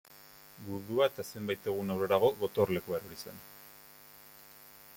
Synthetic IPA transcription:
ɡuðuaet̪ase̞mbajt̪e̞ɣ̞unawre̞ɾaɣo̞ɣo̞t̪o̞rle̞kuaɾoɾisḛn

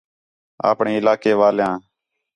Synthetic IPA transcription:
a̰ːpɳeːɪlaːkeːʋaːljãː

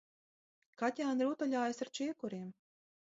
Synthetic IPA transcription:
kat̪ʲaːnɾut̪ɔlʲaːjasaɾt͡ʃiɛkuɾiːm

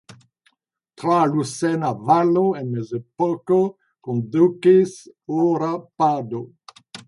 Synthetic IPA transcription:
t̪ɾalusɛnavaloenmezepɔko | kõnd̪ukesoɾapad̪o

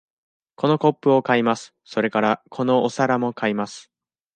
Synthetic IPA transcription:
ko̞no̞ko̞pːɯ̟o̞kaimasɨ̥so̞ɾe̞kaɾakʰo̞no̞ːsaɾamo̞kaimasɨ̥

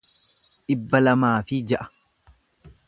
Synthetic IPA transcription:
ᶑɪbːɐlɐmaːfɪd͡ʒɐʔɐ̥

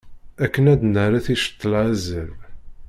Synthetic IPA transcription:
ækːənæd̪nəɾaθiʃə̥t̪ˤːəlʕæzəv

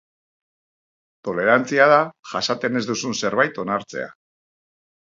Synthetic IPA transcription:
t̪o̞le̞ɾant͡siaðaʝasat̪e̞ne̞zd̪usunse̞ɾβajt̪o̞naɾt͡se̞̰a̰

